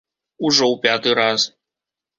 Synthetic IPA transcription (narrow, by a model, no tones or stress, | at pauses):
uʐɔwpʲat̪ɨɾas